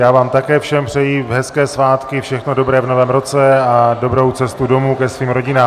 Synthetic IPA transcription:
jaːvaːmt̪akɛːfʃɛmpr̥ɛjiːvɦɛskɛːsvaːt̪kɪfʃɛxno̞do̞bɾɛːvno̞vɛːmɾo̞t͡sɛado̞bɾo̞wt͡sɛst̪udo̞muːkɛsviːmɾo̞ɟɪnaː

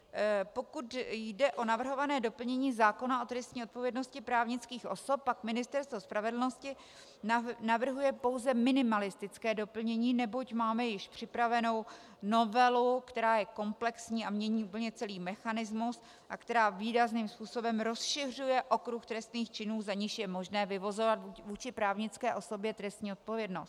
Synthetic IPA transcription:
po̞kut̪jdɛʔo̞navr̩ɦo̞vanɛːdo̞pl̩ɲɛɲiːzaːko̞naʔo̞t̪ɾɛst̪ɲiːo̞t̪̚po̞vjɛdno̞scɪpɾaːvɲɪt͡skiːxʔo̞so̞pːakmɪnɪst̪ɛɾst̪vospɾavɛdl̩no̞scɪ | navr̩ɦujɛpo̞wzɛmɪnɪmalɪst̪ɪt͡skɛːdo̞pl̩ɲɛɲiːnɛbo̞cmaːmɛjɪʃpr̝̥ɪpɾavɛno̞w | no̞vɛlukt̪ɛɾaːjɛko̞mplɛksɲiːʔamɲɛɲiːʔuːpl̩ɲɛt͡sɛliːmɛxanɪzmus | ʔakt̪ɛɾaːviːɾazniːmspuːso̞bɛmɾo̞sʃɪr̝ujɛʔo̞kɾuxt̪ɾɛst̪niːxt͡ʃɪnuːzaɲɪʃjɛmo̞ʒnɛːvɪvo̞zovat̪ːvuːt͡ʃɪpɾaːvɲɪt͡skɛːʔo̞so̞bjɛt̪ɾɛst̪ɲiːo̞t̪̚po̞vjɛdno̞st̪̚

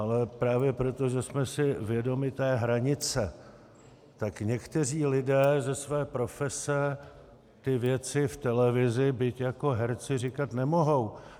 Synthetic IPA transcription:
ʔalɛpɾaːvjɛpɾo̞t̪o̞ʒɛsmɛsɪvjɛdo̞mɪt̪ɛːɦɾaɲɪt͡sɛ | t̪akɲɛkt̪ɛr̝iːlɪdɛːzɛsvɛːpɾo̞fɛsɛ | t̪ɪvjɛt͡sɪft̪ɛlɛvɪzɪbɪcjako̞ɦɛɾt͡sɪrɪkat̪nɛmo̞ɦo̞w

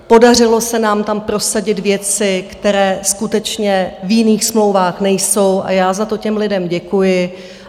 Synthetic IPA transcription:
po̞dar̝ɪlo̞sɛnaːmt̪ampɾo̞saɟɪd̪vjɛt͡sɪkt̪ɛɾɛːskut̪ɛt͡ʃɲɛvjɪniːxsmlo̞wvaːxnɛjso̞wʔa̰jaːzat̪o̞cɛmlɪdɛmɟɛkujɪ

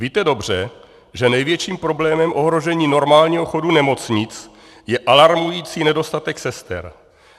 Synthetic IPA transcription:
viːt̪ɛdo̞br̝ɛ | ʒɛnɛjvjɛt͡ʃiːmpɾo̞blɛːmɛmʔo̞ɦɾo̞ʒɛɲiːno̞ɾmaːlɲiːɦoxo̞dunɛmo̞t͡sɲɪt͡s | jɛʔalaɾmujiːt͡siːnɛdo̞st̪at̪ɛksɛst̪ɛ̰ɾ

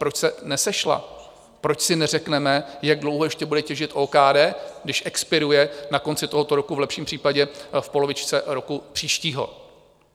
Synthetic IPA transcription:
pɾot͡ʃsɛnɛsɛʃla̰ | pɾo̞t͡ʃsɪnɛrɛknɛmɛjaɡ̚dlowɦojɛʃcɛbudɛcɛʒɪt̪ʔoːkaːdɛːɡdɪʃʔɛkspɪɾujɛnako̞nt͡sɪt̪oɦo̞t̪oɾo̞kuvlɛpʃiːmpr̥iːpaɟɛfpo̞lovɪt͡ʃt͡sɛɾo̞kupr̥iːʃciːɦo̞̰

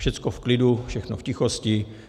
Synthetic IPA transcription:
ʃɛt͡skofklɪdufʃɛxno̰fcɪxoscɪ

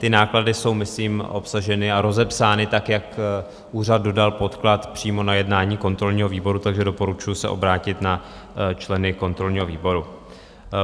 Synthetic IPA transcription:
t̪ɪnaːkladɪso̞wmɪsliːmʔo̞psaʒɛnɪaɾo̞zɛpsaːnɪt̪akjak | ʔuːr̝ad̪̚do̞dalpo̞t̪klat̪pr̝̥iːmo̞najɛdnaːɲiːko̞nt̪ɾo̞lɲiːɦo̞viːbo̞ɾut̪aɡʒɛdo̞po̞ɾut͡ʃujusɛ̰ʔo̞̰bɾaːcɪt̪na | t͡ʃlɛnɪko̞nt̪ɾo̞lɲiːɦo̞viːbo̞ɾu

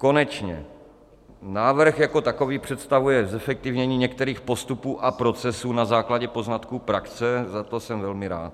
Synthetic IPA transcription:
ko̞nɛt͡ʃɲɛ̰ | naːvr̩xjako̞t̪ako̞viːpr̝̥ɛt̪st̪avujɛzɛfɛk̚t̪ɪvɲɛɲiːɲɛkt̪ɛɾiːxpo̞st̪upuːʔapɾo̞t͡sɛsuːnazaːklaɟɛpo̞znat̪kuːpɾakt͡sɛzat̪o̞sɛmvɛlmɪɾa̰ːt̪

